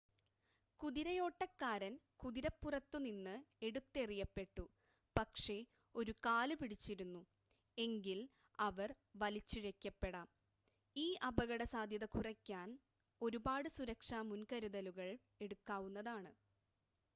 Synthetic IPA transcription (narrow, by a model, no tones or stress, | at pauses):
kuðiɾɐjo̞ːʈːɐkːaːɾɐnkuðiɾɐpːurɐt̪ːuninːɨe̞ɽut̪ːe̞rijɐpːe̞ʈːu | pɐkʂe̞ | o̞ɾukaːlɨpiɽit͡ɕːiɾunːu | e̞ŋɡil | ɐʋɐr | ʋɐlit͡ɕːiɻekʲːɐpːe̞ɽaːm | iːʔɐbɐɣɐɽɐsaːd̪ʱjɐðɐkurɐkʲːaːn | o̞ɾubaːɽɨsuɾɐkʂaːmunkɐɾuðɐluɣɐɭ | e̞ɽukːaːʋunːɐðaːɳɨ